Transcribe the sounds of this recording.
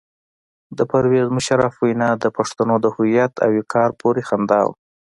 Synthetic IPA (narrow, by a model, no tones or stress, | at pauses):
d̪əpaɾwezmʊʃaɾafwajnɑd̪əpaʂt̪anod̪əhʊjat̪ʰa̰wekʰɑɾpʰoɾexand̪ɑ̰w